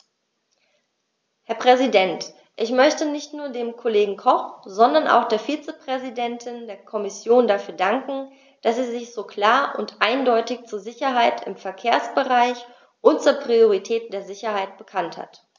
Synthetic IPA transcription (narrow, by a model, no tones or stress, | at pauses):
hɛɐpʁ̥ɛzidɛnt | ʔɪçmœçtənɪçtnuːɐdeːmkʰoleːɡŋ̩kʰɔχz̥ɔndɐnʔa̰ʊxd̥eːɐfiːt͡səpʁ̥ɛzidɛntʰɪndeːɐkʰɔmɪsjoːndafyːɐdaŋkŋ̩ | d̥aseːɐzɪçz̥oːkʰl̥aːɐʔʊntʔaɪndɔʏtɪçt͡suːɐzɪçɐɦaɪtʰɪ̰mfɛɐkʰeːɐsb̥əʁaɪç | ʔʊnt̚t͡suːɐpʁ̥ioʁitʰɛːtd̥eːɐzɪçɐhaɪt̚b̥əkʰantha̰t